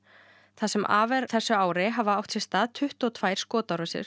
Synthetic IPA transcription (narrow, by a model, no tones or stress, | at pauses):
θasɛmʔa̰ːvɛɾθɛsːʏaːwɾɪɦavaawht̪sɪ̥st̪aːðt̪ʰʏht̪ɔwt̪ʰvaːjɾ̥skɔːt̪aɾɔsɪ̰ɾ̥